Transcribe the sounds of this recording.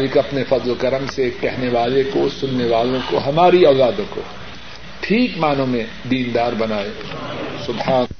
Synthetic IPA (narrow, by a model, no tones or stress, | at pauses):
likɐpnefɐd̪lkəɾəmsekɛɦneʋaːlekosʊnːeʋaːlõkoɦɐmaːɾiaʊzaːd̪õko̰ | ʈʰiːkmaːnõmẽ | d̪iːnd̪aːɾbɐnaːe | sʊbhaːn